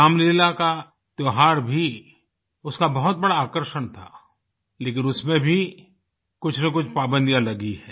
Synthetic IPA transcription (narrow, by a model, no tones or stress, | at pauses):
aːmleːlaka | t̪joɦaːɾbʱi | ʊskabɐɦʊt̪̚bɐɽaːkəɾʃəɽ̃t̪ʰa̰ː | leːkɪnʊsmẽbʱi | kʊt͡ʃʰnẽk̬ʊt͡ʃʰpaːbə̃nd̪ijãlɐɡiɦɛː